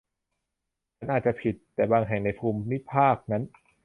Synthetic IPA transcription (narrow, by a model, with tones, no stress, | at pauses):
t͡ɕʰa˦˥nʔaː˨˩t͡ɕa˨˩pʰi˨˩t̪ːɛː˨˩baː˧ŋɦɛ˨˩ŋna˧jpʰuː˧mːi˦˥pʰaː˥˩k̚na˦˥n